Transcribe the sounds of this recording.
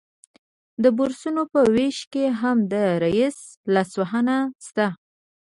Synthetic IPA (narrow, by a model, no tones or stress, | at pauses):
d̪əbuɾsunopəweʃkeɦamd̪əɾajis | lɑswaɦənast̪a